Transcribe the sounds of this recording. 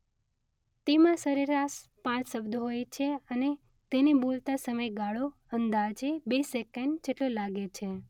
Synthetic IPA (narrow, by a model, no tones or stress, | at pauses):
t̪emãsəɾiɾaʃpãt͡ʃsəbd̪ʱoɦojt͡ʃʰeəne | t̪enebolt̪asəməjɡaɭo | ənd̪ad͡ʒebesekəɳɖd͡ʒeʈlolaɡet͡ʃʰe